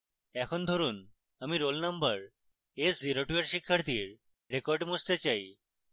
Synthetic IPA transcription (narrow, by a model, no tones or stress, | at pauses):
ɛkʰond̪ʱoɾun | əmiɾolnɐmbəɾ | esziɾoʈueɾʃikʰːaɾt̪iɾ | ɾekoɾɖmust̪et͡ɕaj